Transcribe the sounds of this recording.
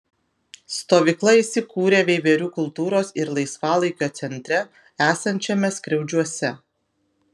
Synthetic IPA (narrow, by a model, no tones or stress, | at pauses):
st̪oːʋʲiːklˠɐiːˑsʲɪkuːɾʲeːʋʲeʋʲeɾʲuːkʊlˠt̪uːɾoːsɪɾlˠɐɪsʋɑːlˠɐɪkʲoːt̪sʲɛnʲt̪ʲɾʲɛ | æːsɐnʲt͡ʃʲɛmʲɛsʲkɾʲɛʊd͡ʒʲuɔsʲɛ